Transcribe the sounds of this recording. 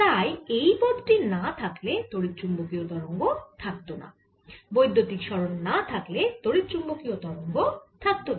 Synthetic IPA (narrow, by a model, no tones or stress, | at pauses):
t̪ajejpod̪ʈinat̪ʰaklet̪oɾit̪ːɾumbokiot̪ɔɾoŋɡot̪ʰak̚t̪ona̰ | bojd̪ʱːot̪ikʃɔɾonːat̪ʰaklet̪oɾit̪ːt͡ɕumbokiot̪ɔɾoŋɡot̪ʰak̚t̪ona